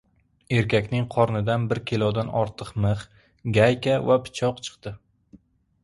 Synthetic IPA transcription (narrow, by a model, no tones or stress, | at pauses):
e̞ɾkʲakʲnɪŋqʰɒɾnɪd̪anbɪɾkʲʰelˠɒd̪anɒɾt̪ʰɨqmɨχ | ɡʲajkʲavapʰɪ̥t͡ʃʰɒqt͡ʃʰɨ̥qt̪ɪ